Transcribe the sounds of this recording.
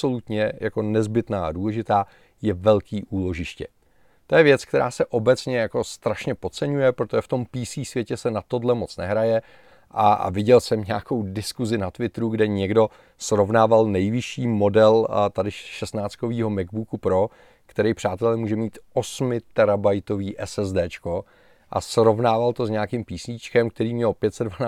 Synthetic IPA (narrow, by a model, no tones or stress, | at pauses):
so̞lut̪ɲɛjako̞nɛzbɪt̪naːa̰duːlɛʒɪt̪aː | jɛvɛlkiːʔuːlo̞ʒɪʃcɛ̰ | t̪o̞jɛvjɛt͡sk̚t̪ɛɾaːsɛʔo̞bɛt͡sɲɛjako̞st̪ɾaʃɲɛpo̞t͡sɛɲujɛpɾot̪oʒɛft̪o̞mpiːsiːsvjɛcɛsɛnat̪o̞dlɛmo̞t͡snɛɦɾajɛ | ʔaa̰vɪɟɛlsɛmɲaːko̞wdɪskuzɪnat̪vɪt̪ɾuɡdɛɲɛɡdo̞ | sɾo̞vnaːvalnɛjvɪʃiːmo̞dɛlt̪adɪʃɛst̪naːt͡sko̞viːɦo̞mɛɡbukupɾo̞ | kt̪ɛɾɛjpr̝̥aːt̪ɛlɛmuːʒɛmiːt̪ʔosmɪt̪ɛɾabajt̪o̞viːʔɛsɛzdɛːt͡ʃko | ʔa̰sɾo̞vnaːvalt̪o̞zɲɛakɪmpiːsɲiːt͡ʃkɛmk̚t̪ɛɾiːmɲɛlpjɛt̪sɛdvana